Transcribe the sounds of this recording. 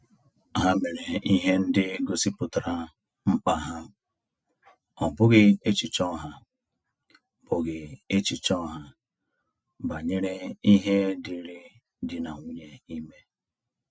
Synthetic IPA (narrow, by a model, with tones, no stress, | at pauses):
ɦa˦me˨ɾe˨i˦ɦe˦n̩˦dɪ˦ɡo˨si˦pʊ˨ta˨ɾa˦ | m̩˦k͡pa˨ɦa˦ | ɔ˨bʊ˦ɣɪ˦e˦t͡ʃi˨t͡ʃɔ˦˨ɦa˨ | b̥ʊ˨ɡɪ˨e˦t͡ʃi˨t͡ʃɔ˦˨ɦa˦ | ba˨ɲe˦ɾe˦i˦ɦe˦di˨ɾi˦ | dɪ˨na˨ŋʷu˦ɲe˨i˦me˦